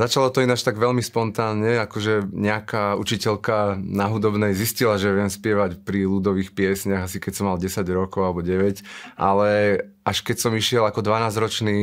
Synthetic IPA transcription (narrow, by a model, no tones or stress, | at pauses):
zat͡ʃalɔt̪ɔinat͡ʃt̪aɡʋɛlmispɔnt̪aːnɲɛakɔʒɛɲɛakaṵt͡ʃicɛlkanaɦud̪ɔbnɛjziscilaʒɛʋɪɛmspɪɛʋacpɾilud̪ɔʋiːxpɪɛsɲaɣasikɛsɔmːalɟɛsaɟɾɔkɔʊalɛbɔɟɛʋɛcʔa̰lɛ | ʔaʃkɛcsɔmiʃɪɛlakɔd̪ʋanaːzɾɔt͡ʃniː